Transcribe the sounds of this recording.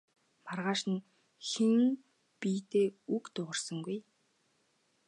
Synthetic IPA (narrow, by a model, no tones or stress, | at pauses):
marʁaːʃɪ̆n | xeŋ | piːt̪eːukt̪ʊʁə̆rsə̆ŋɡuj